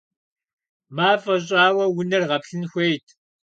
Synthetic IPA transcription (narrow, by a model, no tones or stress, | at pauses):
maːfʼɐɕ̬ʼaːwɐwʊnɐrʁɐpɬɨnxʷejtʰ